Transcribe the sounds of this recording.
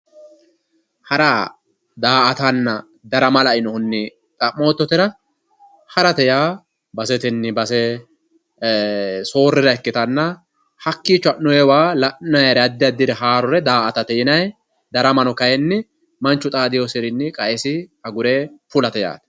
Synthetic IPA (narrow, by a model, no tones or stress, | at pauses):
hɐɾaː | d̪aːʔɐt̪ɐnːɐ | d̪ɐɾɐmɐlɐɪnɔhʊnːɪ | t̪ʼɐmːoːt̪ːɔt̪ɪɾɐ | hɐɾɐt̪ɛjaː | bɐsɛt̪ɪnːɪbɐsɛ | so̞ːrːɪɾɐɛkːɪt̪ɐnːɐ | hɐkːit͡ʃːʊɐʔnɔjɛwaːlɐʔnɐjɐɾɛɐd̪ːɪɐd̪ːɪd̪ɛɦaːɾɔɾɛd̪aːʔɐt̪ɐt̪ɛjɪnɐj | d̪ɐɾɐmɐnɔkɐjɛnːɪ | mɐnt͡ʃːʊt̪ʼaːd̪ɪjosɪɾɪnːɪkʼɐɛsɪɐɡʊɾeːpʊlɐt̪ɛja̰ːt̪ɛ̥